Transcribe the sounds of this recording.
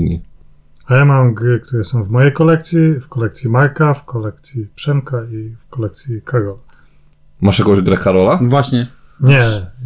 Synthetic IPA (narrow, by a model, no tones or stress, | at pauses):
ɲḭ | ajamamɡɾɘk̚t̪uɾɛsɔ̃w̃vmɔjejkɔlɛkt̪sʲjifkɔlɛk̚t̪sʲjimaɾkafkɔlɛk̚t̪sʲjipʂɛmkaifkɔlɛk̚t̪sʲjikaɡɔla | maʂjakɔ̃w̃jʑɡɾɛkaɾɔlavwaɕɲɛɲɛ